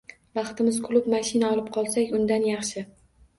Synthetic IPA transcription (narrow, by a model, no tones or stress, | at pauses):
vɑχt̪ɪmɪzkʰʊlˠʊpmaʃɪnaɒlˠɪp̚qʰɒlˠsakʲʊnd̪anjɑχʃɪ